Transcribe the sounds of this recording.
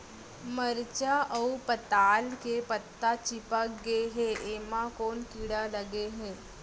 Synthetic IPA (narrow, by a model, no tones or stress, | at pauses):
məɾt͡ɕaʔəwpət̪alkepət̪ːat͡ɕipakɡeɦeʔeʋakoɳkiɽaləɡeɦe